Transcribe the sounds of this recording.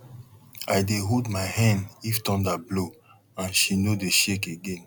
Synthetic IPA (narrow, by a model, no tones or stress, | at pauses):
ajdeɦodmajhãndiftɔ̃ndablo | ãnʃinodeʃekeɡẽn